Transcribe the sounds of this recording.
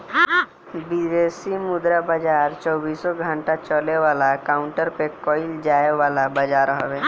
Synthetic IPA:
bid͡ʒesimʊd̪ɾabad͡ʒaːɾt͡ʃɔːbiːsɔɡʱə̃ɳʈat͡ʃəleʋaːlakaːʊɳʈəɾpekɔːɪld͡ʒaːeʋaːlabəd͡ʒaːɾɦɔweː

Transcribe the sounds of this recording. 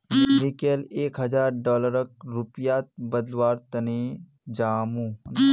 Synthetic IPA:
mikeleːkɦɐd͡ʒaːɾɖɔːləɾək̚ɾupjaːt̪̚bəd̪lʋaːɾt̪ɐne | d͡ʒaːmuː

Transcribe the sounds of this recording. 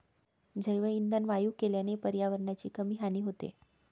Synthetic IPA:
d͡zəjʋəind̪ənʋajuːkeljanepəɾjaʋəɾɳat͡ɕiːkəmiːɦaniːɦot̪ḛ

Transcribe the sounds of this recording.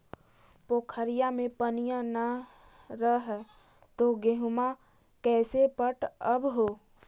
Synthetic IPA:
poːkʰəɾijamẽpənijãnə | ɾəɦ | t̪oɡeɦʊma | kɛːsepəʈəbɦoː

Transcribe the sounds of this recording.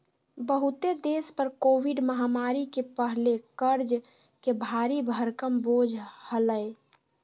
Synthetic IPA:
bəɦut̪ed̪espəɾkowiɖməɦamaɾikepəɦlekəɾd͡ʒ | kebʱaɾibʱəɾkəmbod͡ʒʱhələj

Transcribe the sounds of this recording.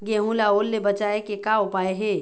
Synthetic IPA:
ɡeːɦũlaoːlːebɐt͡ʃaːekekaʊpaːeɦe

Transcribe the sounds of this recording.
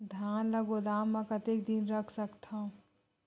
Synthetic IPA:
d̪ʱjaːnlɐɡod̪aːmːɛ̃kɐt̪eːkd̪inɾɐkʰsɐkt̪ʰã

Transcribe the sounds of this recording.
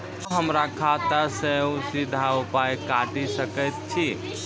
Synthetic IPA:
ɦəmɾakʰat̪əseusid̪ʱaupajkaɖisəkəjt̪̚t͡ʃʰi

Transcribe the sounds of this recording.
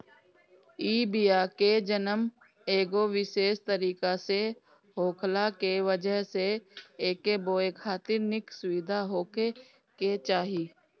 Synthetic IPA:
iːbiːaːked͡ʒənəm | eːɡoʋɪʃeːʃt̪əɾiːkase | ɦoːkʰlakeʋəd͡ʒəɦseeːkeboːekʰaːt̪ɪɾnɪksʊʋɪd̪ʱaɦoːke | ket͡ʃaːɦiː

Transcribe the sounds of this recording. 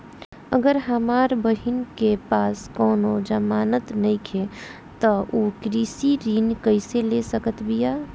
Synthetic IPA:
ə̰ɡəɾɦəmaɾbəɦinkepaːskɔːnod͡ʒəmaːnət̪nəikʰe | t̪ɔʔokɾisiɾiːnkəɪselesəkət̪bija

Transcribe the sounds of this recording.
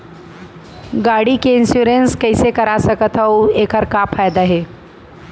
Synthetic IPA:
ɡaɽikeɪnsjuɾenskəjsekəɾasəkət̪ʰɦəwekəɾkapʰajd̪aɦe

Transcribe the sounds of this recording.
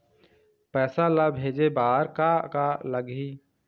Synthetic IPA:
pɛːsalabʱeːd͡ʒebaːɾkakaləɡiː

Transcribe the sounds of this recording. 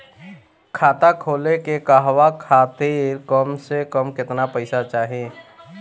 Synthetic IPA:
kʰaːt̪akʰoːlekekaɦʋakʰaːt̪eɾkəmsekəmkɪt̪napəɪsat͡ʃaːɦe

